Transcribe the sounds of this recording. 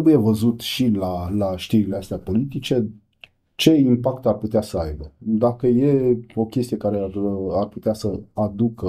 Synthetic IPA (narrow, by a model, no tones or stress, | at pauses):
ebuje̞vəzut̪ʃilalaʃt̪iɾileast̪eapo̞lit̪it͡ʃe̞ | t͡ʃe̞impakt̪arput̪easəajbəd̪akəje̞o̞kʲe̞st̪ije̞kaɾe̞arput̪easəad̪ukə